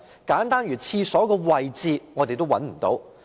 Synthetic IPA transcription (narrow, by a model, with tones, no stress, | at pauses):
kaː˨˥nt̪aː˥nɥyː˨˩t͡sʰiː˧sɔː˨˥kɔː˧wɐ˨jt͡siː˨˧ŋɔː˨˧t̪e˨jt̪o˥wɐ˨˥nm̩˨˩t̪o̰˨˧˥w